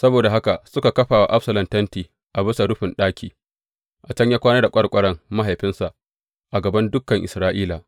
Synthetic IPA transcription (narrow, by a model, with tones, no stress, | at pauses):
sɐ˦boː˨da˨ɦa˦ka˨sʊ˦ka˨kɐ˦ɸaː˨wa̰˦ʔa˦ɸsɐ˨lɐ˨ntɐ˦ntiː˨ | ʔa˨bɪ˦sa˨ɽʊ˦ɸɪ˨nɗaː˦kʲiː˨ | ʔa˨t͡ʃɐ˦ɲjaː˦kʷaː˦nɐ˦da˨kʷʼɐ˦kʷʼɐ˦ɽɐ˦ŋma˦ɦa˨jɸɪ˦nsa˨ʔ | ʔa˨ɡɐ˨bɐ˦ndʊ˦kːɐ˨ŋʔɪ̰˨sɾaː˦ʔiː˦laː˨